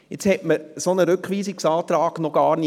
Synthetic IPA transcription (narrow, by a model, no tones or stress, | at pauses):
jɪt͡shɛtməsonəɾʏkχʋiːsɪksɑːt̪ɾɑːɡ̥nɔɡ̥ɑːɾni